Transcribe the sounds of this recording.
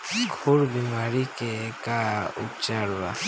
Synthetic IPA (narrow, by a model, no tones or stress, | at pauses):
ɡʱoɾbimaɾikekaʊpt͡ʃaɾʋa̰